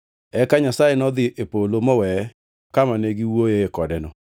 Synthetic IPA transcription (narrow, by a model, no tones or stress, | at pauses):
ɛkaɲasajenɔðɪʔepolomɔwɛ | kamaneɡiwojeekɔdɛnɔ